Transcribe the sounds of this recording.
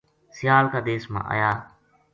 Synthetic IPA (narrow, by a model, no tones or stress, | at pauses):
sɪjaːlkaːd̪eːsmã̰ːʔa̰ːjaː